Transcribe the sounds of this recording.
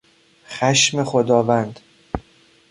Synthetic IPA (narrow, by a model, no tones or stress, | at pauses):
xæʃme̞xod̪ɒːvænd̪